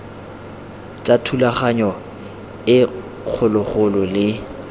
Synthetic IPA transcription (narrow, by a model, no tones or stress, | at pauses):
t͡sʼatʰulaχaɲɔ | ɪ | q͡χʰʊlʊχʊlɔlɪ